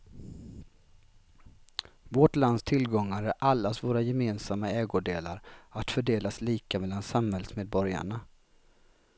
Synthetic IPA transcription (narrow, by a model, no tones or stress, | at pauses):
voʈland̪st̪ʰɪlɡɔŋːaɾæʔalːasvoːɾajɛmeːnsamːaɛːɡʊɖeːla̰ɾat̪fœɖeːlasliːkamɛlːansamhɛlsmeːd̪̚bɔɾja̰ɳa